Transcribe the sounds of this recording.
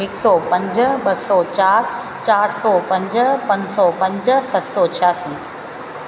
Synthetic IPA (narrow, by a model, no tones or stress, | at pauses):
ɪksɔpɐ̃ɲd͡ʑɓɐsɔt͡ɕaːɾ | t͡ɕaːɾsɔpɐ̃ɲd͡ʑpɐ̃ɲsɔpɐ̃ɲd͡ʑsɐt̪sɔt͡ɕʰjaːsiː